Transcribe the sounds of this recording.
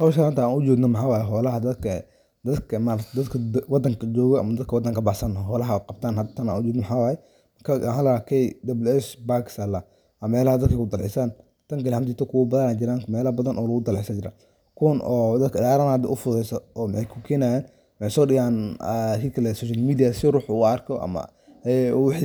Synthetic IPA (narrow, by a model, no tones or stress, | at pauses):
hɔwʃɐant̪ʰaaːnʊd͡ʒɔːɡnɔmɐħaːwaːjɛɦɔːlɐɦɐd̪ɐd̪kʰɐ | d̪ɐd̪kʰɐmaɾɐt̪ʰd̪ɐd̪kʰɐwɑd̪ɐŋkʰɐd͡ʒɔːɣɔɐ̰mɐd̪ɐd̪̚kʰɐwɑd̪ɐŋkɐbɐħsɐnɦɔːlɐɦɐqɑb̚t̪ʰaːnhɐt̪ʰːɐna̰nʊd͡ʒɔːɡ̪nɔmħaːwaːjɛ | mɐkʰaħaːlɐɾakʰɛjd̪ɐbɐlɛʃbaːkɪ̥sala | ʔɐmɛːlɐhɐd̪ɐd̪̚kɐkʊd̪ɐlʕɪsaːn | t̪ʰɐŋkɐlhɐmt̪ɪt̪ʰɔkʰʊwɐbɐðɐnaːd͡ʒɪɾaːŋmɛːlɐbɐðɐnʔɔːlɐɣʊd̪ɐlʕɪsɐd͡ʒɪɾa̰ː | kʰʊwnɔːd̪ɐd̪̚kʰɐdaːɾɐnɐd̪ɛ̰ʔʊfʊðɛjsɔɔːmħɛjkʰʊkʰɛːnajaːn | mɪħɛjsɔːɗɪɣaːnkiːkʰɐlɛsɔːʃalmiːd̪ijasɪruːħuɐrkʰɔʔɐ̰mɐ̰ | wħ